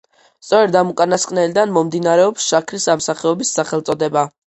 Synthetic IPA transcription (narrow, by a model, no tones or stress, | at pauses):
st̪sʼɔɾɛd̪amukʼanaskʼnɛlid̪anmɔmd̪inaɾɛɔpsʃakʰɾisamsaχɛɔbisːaχɛlˠt̪sʼɔd̪ɛba